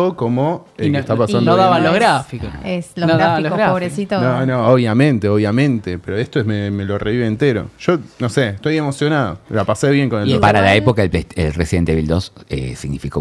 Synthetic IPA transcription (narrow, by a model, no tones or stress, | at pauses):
okomonoest̪apasandoðaβaloɣɾafikoeslonoðaaoβɾesit̪onõnõoβjamẽ̞nt̪eo̞βjamẽ̞nt̪epeɾoest̪oememe̞loreβiβeːnt̪e̞ɾo̰ʒ̥o̞noseːht̪ojemo̞sjo̞naðo̰lapaseβje̞ŋkonelopaɾalaepokaelpeelresiðent̪eβild̪osḛsiɣnifiko